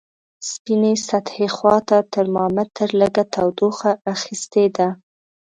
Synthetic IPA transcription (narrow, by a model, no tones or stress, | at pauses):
spinesat̪hexwɑt̪at̪əɾmɑmat̪əɾləɡat̪ʰawd̪oxaʔːxist̪ed̪a